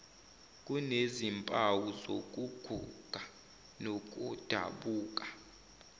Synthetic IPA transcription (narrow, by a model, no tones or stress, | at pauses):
k̬ʼunezimpʼawuzok̬ʼuɡ̥ʱṵɡ̥ʱa | nok̬ʼud̥ʱa̰ɓuːk̬ʼḁ